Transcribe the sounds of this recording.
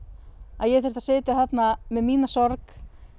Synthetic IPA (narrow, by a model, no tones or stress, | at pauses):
a̰ðjɛθɛɾt̪asɪːt̪aθat̪namɛðmiːnasɔɾk